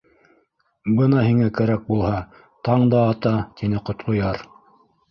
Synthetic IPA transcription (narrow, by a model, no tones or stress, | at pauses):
bɤnɑhiŋækæɾæk̚bulˠhɑ | t̪ɑɴd̪ɑːt̪ɑt̪inɘqŏt̪qŏjɑɾ